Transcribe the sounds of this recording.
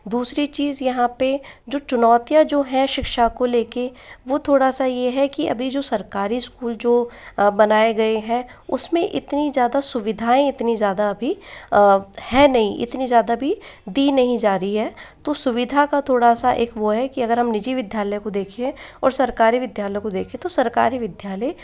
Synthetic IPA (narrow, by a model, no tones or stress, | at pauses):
d̪uːsɾit͡ʃiːzjɐɦãped͡ʒoːt͡ʃʊnɔːt̪jad͡ʒoːɦɛ̃ʃɪkʃakoleːkeʋot̪ʰoːɽasajeɦɛkiɐ̰bʱid͡ʒoːsɐɾkaːɾiɪskuːld͡ʒoːbɐnaːeɡɐeɦɛ̃ | ʊsmẽʔɪ̰t̪nizjaːd̪asʊʋɪd̪ʱaːẽɪt̪nizjaːd̪aɐbʱi | hɛnɐɦĩʔɪ̰t̪nizjaːd̪abʱid̪iːnɐɦĩd͡ʒaːɾəiɦɛːt̪osʊʋɪd̪ʱakat̪ʰoːɽasaʔeːkʋoɦɛkiɐɡəɾɦɐmnɪd͡ʒiʋɪd̪jaːləjkod̪eːkʰẽɔ̰ːɾsɐɾkaːɾiʋɪd̪jaːləjkod̪eːkʰẽt̪osɐɾka̰ːɾiʋɪd̪ʱjaːləj